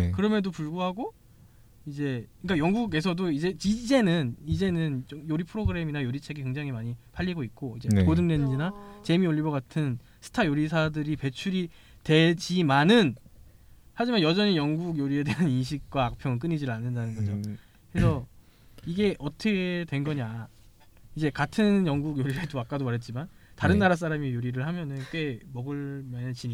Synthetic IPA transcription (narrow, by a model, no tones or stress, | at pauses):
kɯɾʌmjʌdopuɭɡuɦaɡo | id͡ʑe̞ɯik͈ajʌŋɡuɡe̞s̬ʰʌdoid͡ʑe̞id͡ʑe̞nɯnid͡ʑe̞nɯnt͡ɕojoɾipʰɯɾoɡɯɾe̞minajoɾit͡ɕʰe̞ɡike̞ŋd͡ʑaŋɦimaɲipʰaʎːiɡoik̚k͈oid͡ʑe̞kodɯŋdwenɯd͡ʑinat͡ɕe̞mioʎːibʌɡatʰɯn | sʰɯ̥tʰajoɾisʰadɯɾipe̞t͡ɕʰuɾi | twe̞d͡ʑimanɯn | had͡ʑimanjʌd͡ʑʌɲijʌŋɡuɡjoɾie̞de̞aninɕ̬ʰik̚k͈waːk̚pʰjʌŋɯɭk͈ɯɲid͡ʑiɾɯɭanːɯndanɯnɡʌd͡ʑo | kɯɾesʰʌ | iɡe̞ʔʌtʰʌɡʰetwe̞nɡʌɲa | id͡ʑe̞katʰɯnjʌŋɡuɡjoɾiɾedoak͈adomaɾɦe̞t̚t͡ɕ͈imantaɾɯnːaɾas̬͈aɾamijoɾiɾɯɭhamjʌnɯnk͈we̞mʌɡɯɭmanɯt͡ɕiɲi